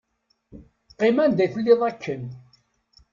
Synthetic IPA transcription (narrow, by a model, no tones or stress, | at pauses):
qːɪmænd̪æθəlːɪðˤækʰːən